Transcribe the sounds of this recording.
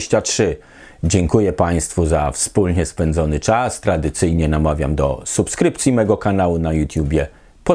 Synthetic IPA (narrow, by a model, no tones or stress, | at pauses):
ɕt͡ɕatʂɘ | d͡ʑɛŋkujɛpaj̃st̪fuzafspulɲɛspɛnd̪zɔnɘt͡ʂast̪ɾad̪ɘt̪sɘjɲɛnamavʲja̰md̪ɔ̰supskɾɘpt̪sʲimɛɡɔkanawunajut̪ʲjubʲjɛ | pɔ